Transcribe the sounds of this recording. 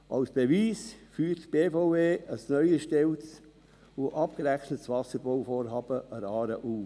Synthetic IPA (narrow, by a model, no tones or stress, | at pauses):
ʔɑʊsb̥eviːsfyːɾtb̥eːfoʊeːəsnœʏəʃtɛlt͡s | oʔɑp̚kəɾɛxnətsʋɑsəɾbɔʊfoːɾɦɑːb̥əəɾɑːɾəʔu